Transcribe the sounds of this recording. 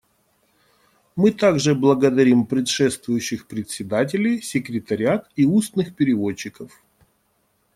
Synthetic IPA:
mɨt̪aɡʐɨblˠəɡəd̪ɐɾʲimpɾʲɪt̪ʂɛst̪vʊjʉɕːɪxpɾʲɪt̪ʲsʲɪd̪at̬ʲɪlʲɪjsʲɪkɾʲɪt̪ɐɾʲɪat̪iusnɨxpʲɪɾʲɪvo̞t͡ɕːɪkəf

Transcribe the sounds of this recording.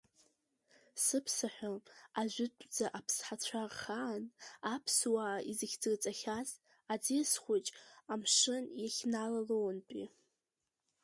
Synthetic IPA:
sɨpʰsaħʷᶣaaʒʷᶣɪtʷʼd͡zaʔapʰsħat͡ɕʷʰarχaːnapʰswaːizɨɡʲd͡zɨrt͡sʼaχʲaz | ad͡zisχʷʊt͡ʃʼamʂɨnjaχʲnalalownpʼḭ

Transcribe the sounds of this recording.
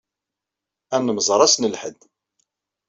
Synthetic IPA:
ænːəməzˤɾˤɑsnəlħə̰d̪

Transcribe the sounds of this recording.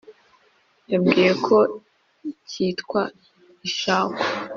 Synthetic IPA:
jabɡiːje̞kʰo̞ | cʰiːtkwa | iʃaːkwḁ

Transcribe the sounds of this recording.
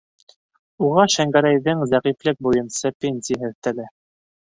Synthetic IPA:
uʁɑʃæŋɡæɾæjðɘŋzæʁiflɘk̚bujɤ̆nsɤpʲenʲsʲiɦɘðt̪ɘ̆lɘ

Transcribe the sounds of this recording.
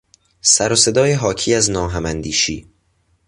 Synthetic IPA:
sæɾose̞d̪ɒːjeɦɒːcʰiːæznɒːɦæmænd̪iːʃḭː

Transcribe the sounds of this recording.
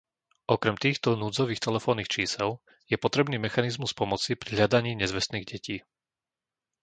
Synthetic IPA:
ʔɔkɾɛmt̪iːxt̪ɔnuːd͡zɔʋiːxt̪ɛlɛfɔːnːiːxt͡ʃiːsɛl | jɛpɔt̪ɾɛbniːmɛxanizmuspɔmɔt͡sipɾiɦlʎad̪aɲiːɲɛzʋɛsniːɣɟɛciː

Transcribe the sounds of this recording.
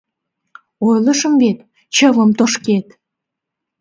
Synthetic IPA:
ojləʃə̆mvet̪ | t͡ɕəvəmt̪oʃket̪

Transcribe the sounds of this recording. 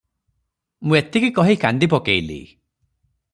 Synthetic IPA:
mũet̪ikikɔɦikand̪ip̬ɔkejlḭ

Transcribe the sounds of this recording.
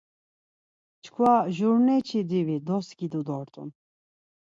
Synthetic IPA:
t͡ʃʰkʰwaʒuɾnɛt͡ʃʰid̪ivid̪ɔsɡid̪ɔd̪ɔɾt̪ʼṵn

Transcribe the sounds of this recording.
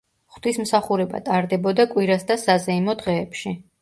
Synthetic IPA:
χd̪ismsaχuɾɛba̰t̪ʼaɾd̪ɛbɔd̪akʼwiɾasd̪asazɛimɔd̪ʁɛːpʃi

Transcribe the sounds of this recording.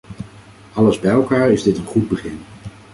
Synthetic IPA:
ɑləzbɛjɛlˠkaːɹɪzdɪtənχud̚bəχɪn

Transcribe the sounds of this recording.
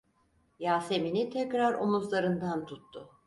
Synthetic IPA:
jaːse̞minit̪ʰɛcɾaɾomuzlˠaɾɯnd̪ant̪ʰut̪ːʊ

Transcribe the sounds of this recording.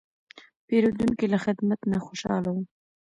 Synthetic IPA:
peɾod̪uŋkilaxɪd̪mat̪naxoʃɑ̰lawu

